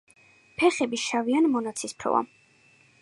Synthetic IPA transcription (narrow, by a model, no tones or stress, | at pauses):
pʰɛχɛbiʃavianmɔnat̪sʰispʰɾɔ̰va̰